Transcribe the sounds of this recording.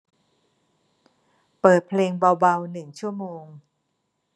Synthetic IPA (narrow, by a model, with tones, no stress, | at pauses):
pɤː˨˩t̪̚pʰleː˧ŋba˧wba˧wnɯ˨˩ŋt͡ɕʰu˥˩əmoː˧ŋ